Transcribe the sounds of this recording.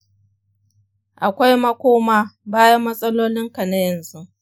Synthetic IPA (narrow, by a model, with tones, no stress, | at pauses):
ʔa˨kʷa˦jmɐ˦kʷoː˦maː˦baː˦jɐ˦mːɐ˦sʼɐ˦loː˦lɪ˦ŋka˨na˦jɐ˨nzu˦ʔ